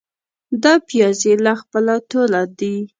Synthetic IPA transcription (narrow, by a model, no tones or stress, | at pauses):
d̪ɑpjɑzelaxpəlat̪olad̪i